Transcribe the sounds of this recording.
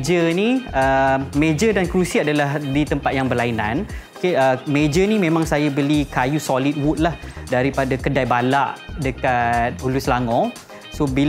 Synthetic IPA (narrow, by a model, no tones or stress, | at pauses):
d͡ʒəniəmed͡ʒədankɾusiadalahdit̪əmpat̪̚jaŋbərlainã̰nokeəmed͡ʒənimẽmãŋsajabəlikajusolit̪̚wut̪̚lahdaɾipadakədajbala̰ʔdəkat̪̚uluslaŋɔ̃ | sobil